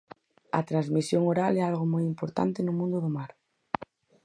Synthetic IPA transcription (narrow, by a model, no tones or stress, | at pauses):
ɐ̰t̪ɾazmisjoŋoɾalɛalɣomojimpoɾt̪a̰nt̪enʊmũnd̪ʊðʊmaɾ